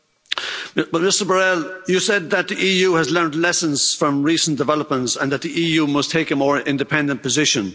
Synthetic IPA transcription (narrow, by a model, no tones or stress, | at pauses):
b̥ʌt̚mɪstə˞bəɹɛlˠjɨsɛd̪̚ðət̪̚ðiʔiːjʉːəzlɜ̃˞ndlɛsə̃nz̥fɹə̃mɹisn̩d̥ɪvɛləp̚mə̃ntsə̃nðət̪̚ðiʔiːjʉːmʌstʰeɪkəmɔːɹɪ̃ndɨpʰɛ̃ndə̃npʰəzɪʃə̃n